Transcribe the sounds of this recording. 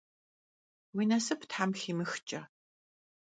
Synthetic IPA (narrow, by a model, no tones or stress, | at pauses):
wiːnɐsɨptħamxiːmɨxt͡ʃʼɐ